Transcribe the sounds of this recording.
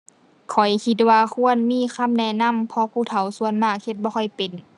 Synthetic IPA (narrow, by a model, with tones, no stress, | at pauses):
kʰɔ˨˩jkʰi˧t̪̚waː˧kʰu˧˥˨ənmiː˧˥˨kʰa˧˥˨mnɛː˧˩na˧˥˨mpʰɔ˧pʰuː˧˩t̪ʰa˨˦wsu˧˨ənmaː˧˩k̚he˧t̪̚bɔː˧kʰɔ˧˩jpe˨n